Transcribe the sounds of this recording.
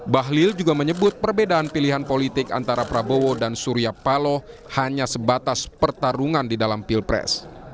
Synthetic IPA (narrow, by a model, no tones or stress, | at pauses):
baɦlɪld͡ʒuɡaməɲəbʊt̪̚pərbedaːnpiliɦanpolit̪ɪka̰nt̪aɾapɾabowodansuɾiapalɔ | haɲasəbat̪aspərt̪aɾuŋandidalampilpɾɛ̰s